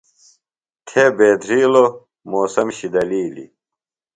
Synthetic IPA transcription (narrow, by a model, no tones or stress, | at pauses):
k̪ʰebeːd̪ɾiːlo | moːsɐmɕid̪ɐliːlḭ